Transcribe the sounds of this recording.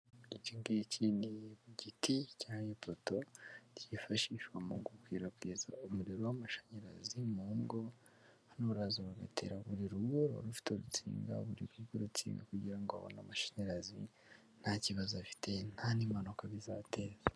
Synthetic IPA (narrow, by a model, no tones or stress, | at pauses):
uiciŋɡicʰiniβuɟiticaːɲepoto̞tjifaʃiʃwamuɡokwiɾakwiːza̰umuɾiɾowamaʃḁɲiɾa̰zimumɡo | hanoβuɾazoβaɡa̰tʰḛːɾaβuɾiɾuβoɾoɾufi̥toɾut͡sḭːŋɡa̰βuɾḭɡuɡoɾut͡sḭːŋɡa̰kuɟiɾaŋɡoa̰βo̰na̰maʃḁɲeɾazi | n̥haciβazuafi̥tʰe̞nhanimanokaβizaːte̞ːz̥a